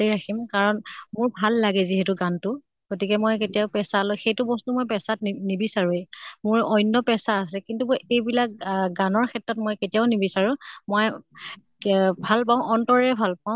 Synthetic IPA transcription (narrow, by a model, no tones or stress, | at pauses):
ejɹakʰimkaɹɔnmʊɹbʱalːaɡɛziɦɛtʊɡantʊ | ɡ̥otikɛmojketijaʊpɛsalɔxejtʊbɔstumojpɛsatnibisaɹuemʊɹɔjnːɔpɛsaːs̬ɛkintuejbilak̚ɡanɔɹkʰɛtɹɔtmojketijaʊnibisaɹũmoj | bʱalpaʊ̃ʔɔntɔɹɛɛbʱalpaʊ̃